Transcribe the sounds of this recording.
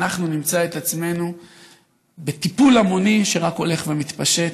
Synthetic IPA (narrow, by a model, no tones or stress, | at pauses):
aχnunimt͡saet̪at͡sme̞nu | bet̪ipulamo̞niʃe̞ʁako̞le̞χvemit̪paʃe̞t